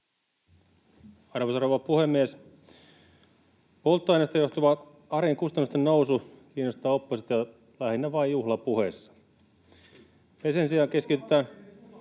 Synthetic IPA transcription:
ɑrʋosroːʋɑpuhemːies | polt̪ːoɑjnest̪ɑjo̞ht̪uʋɑ | ɑɾeeŋkust̪ɑnːust̪ennousukiːnːost̪ɑːopːost̪ɑjɑ | læhinːæʋɑjuhlɑpuhesːɑ̥ | hesensiɑːŋkeskit̪et̪æːn

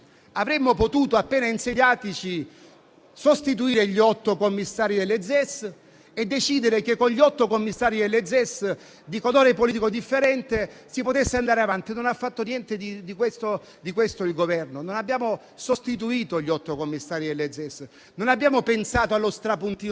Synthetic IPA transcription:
avɾemːopot̪uːt̪oapːeːnainseɲaːt̪it͡ʃi | sost̪it̪uiːɾeʎiɔt̪ːokomːisːaːɾid̪elːed̪zɛs | ed̪ːet͡ʃiːd̪eɾekekːonʎiɔt̪ːokomːisːaːɾid̪elːed̪zɛs | d̪ikod̪oːɾepolit̪ikod̪ifːeɾɛnt̪esipot̪esːeand̪aːɾeavant̪inonafːat̪ːonjɛnt̪ed̪id̪ikwest̪o | d̪ikwest̪oilɡovɛrnononabːjaːmo | sost̪it̪uiːt̪oʎiɔt̪ːokomːisːaːɾid̪elːed̪zɛs | nonabːjaːmopensaːt̪oalːost̪ɾapunt̪iː

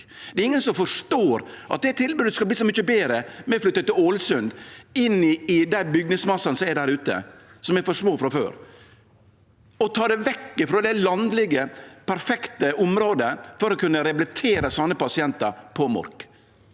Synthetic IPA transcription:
d̪ɛɾɪŋːənsɔmfɔʂt̪oːɾʔɑt̪̚d̪ɛt̪ʰɪlbʉːd̪əskɑlbliːsɔmʏçəbeːɾəmɛflʏt̪ːət̪ːɪloːlsʉnd̪ɪnːɪɪd̪æɪbʏɡnɪŋsmɑsːɑnəsɔmɛɖæɾʉːt̪ə̰sɔmɛɾfɔʂmoːfɾɑfø̰ːɾ | ɔt̪ʰɑːd̪ɛʋɛkːɪfɾɔːd̪ɛlɑnd̪lɪɡəpʰæɾfɛkt̪əʊmɾoːd̪əfɔɾɔkʰʉnːəɾɛblɪt̪ʰeːɾəsɑnːəpɑsɪɛnt̪əɾpʰɔmɔ̰ɾk

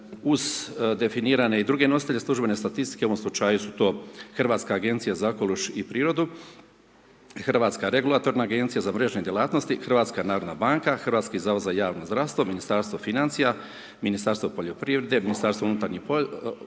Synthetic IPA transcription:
uzd̪e̞finiːɾane̞id̪ɾuːɡe̞nosit̪eʎeslˠuʒbe̞ne̞st̪at̪ist̪i̥keoo̞mslut͡ʃajusut̪o̞ːxr̩ʋaːt̪skaːɡe̞nt̪sijazaokolˠuʃipɾiːɾo̞d̪u | xrʋaːt̪skaɾe̞ɡulat̪o̞ɾnaːɡe̞nt̪sijazamɾe̞ʒɲe̞d̪jelaːt̪no̞st̪ixrʋaːt̪skanaːɾod̪nabaːŋkaxrʋaːt̪skizaʋozaijaːʋnozd̪ɾaʋst̪ʋo̞minist̪aɾst̪o̞finant̪sija | minist̪aɾst̪ʋopo̞ʎo̞pɾiːʋɾe̞d̪e̞minist̪aɾst̪ounut̪aɾɲipo

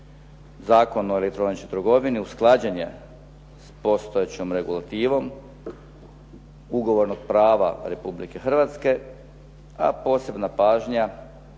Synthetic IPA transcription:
zaːko̞noelek̚t̪ɾo̞nit͡ʃot̪ɾɡo̞ʋiniusklˠaːd͡ʑeɲḛ | spo̞st̪ojet͡ɕomɾe̞ɡulˠat̪iːʋo̞m | uɡo̞ʋo̞ɾnoɡ̥̚pɾaːʋa̰ɾe̞publike̞xr̩ʋat̪ske̞ | a̰po̞ːse̞bnapaːʒɲa

